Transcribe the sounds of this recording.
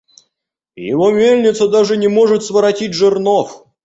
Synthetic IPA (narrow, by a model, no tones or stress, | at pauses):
jɪ̰vomʲelʲnʲɪt̪səd̪aʐɨnʲɪmoʐɨt̪svəɾɐtʲit̚ʲʐɨrnof